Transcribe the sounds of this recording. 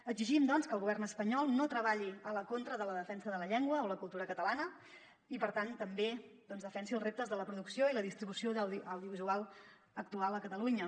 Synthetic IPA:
əɡziʒimd̪ɔnskəlˠɣuβɛrnəspəɲɔlˠnot̪ɾəβ̞aʎiələkont̪ɾəðələðəfɛnsəðələʎeŋɡwəoləkulˠt̪uɾəkət̪əlanə | ipəɾt̪ant̪əmbed̪̥ɔnzðəfɛnsiəlˠzrep̚t̪əzðələpɾuðuksioiləðist̪ɾiβusioðəwðəwðiuβizualˠ | ək̚t̪ualˠəkət̪əluɲə

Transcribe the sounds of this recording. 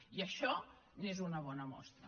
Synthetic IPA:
iɐʃɔ | nezunɐβ̞ɔnɐmɔ̰st̪ɾə

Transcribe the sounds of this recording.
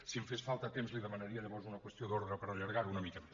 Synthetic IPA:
simfesfalˠt̪ət̪emzliðəmənəɾiəʎəβɔɾzunəkwəst̪ioðoɾðɾəpəɾəʎəɾɣaɾunəmikə

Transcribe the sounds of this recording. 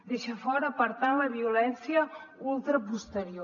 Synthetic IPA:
d̪eʃəfɔɾəpəɾt̪aləβiulɛnsjəulˠt̪ɾəpust̪əɾio

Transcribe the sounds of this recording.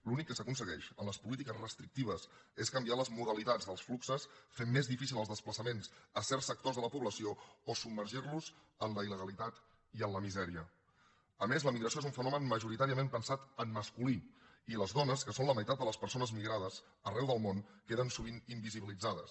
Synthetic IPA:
lunikːəsəkunsəɣɛʃənləspulit̪̬ikəzrəst̪ɾik̚t̪iβ̞əseskəmbialəzmuɾəlit̪ad͡zðəlˠsfluksəsfemːezðifisilˠəlzðəspləsəmensəsɛrsək̚t̪ozðələpuβləsioosub̚məɾʒirluz | ənləiləɣəlit̪at̪ | iənləmizɛɾiə | əmezləmiɣɾəsioezuɱfənɔmənməʒuɾit̪aɾiəmempənsat̪ənməskuli | iləzðɔnəskəsonləməjt̪at̪̚d̪ələspəɾsonəzmiɣɾaðəs | ərɛwðəlˠmonkeðənsuβ̞inimbiziβilid͡zaðəs

